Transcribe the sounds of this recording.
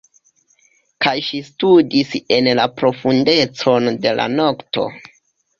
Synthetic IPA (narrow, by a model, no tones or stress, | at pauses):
kajʃistudise̞nlapɾo̞funde̞t͡so̞nde̞la̰no̞kto̞̰